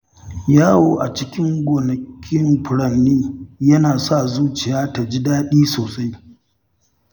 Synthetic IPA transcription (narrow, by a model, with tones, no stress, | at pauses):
jaː˦woː˦ʔa˨t͡ʃɪ˦kʲɪ˦ŋɡʷoː˨nɐ˨kʲʰɪ˦mɸʊ˨ɽɐ˦nːiː˦jɐ˦naː˨sa˦˨zuː˦t͡ʃɪ˨jaː˦ta˨d͡ʒɪ˦daː˦ɗiː˦soː˨sʼa˦j